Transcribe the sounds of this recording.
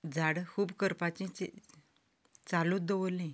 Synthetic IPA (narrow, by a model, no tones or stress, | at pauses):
d͡zaɽkʰuːbkəɾpat͡ɕĩt͡ɕe | t͡salũd̪əʋəlĩ